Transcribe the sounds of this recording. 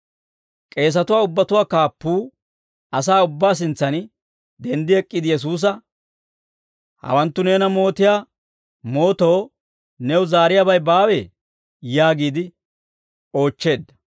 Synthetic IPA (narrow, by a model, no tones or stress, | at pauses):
kʼe̞ːs̬ɐt̪ʊwaːʊbːɐt̪ʊwaːkaːpːuː | ɐsaːʊbːaːs̬ɪnt͡sːɐn | d̪ɛnd̪ɪɛkʼːɪd̪ɪjɛs̬uːs̬ɐ | hɐ̰wɐnt̪ːʊneːnɐmo̞ːt̪ɪjaː | mo̞ːt̪o̞ː | nɛwʊzaːɾɪjabɐjbaːwe | jaːɡiːd̪ɪ | o̞ːt͡ʃːe̞ːd̪ːɐ̥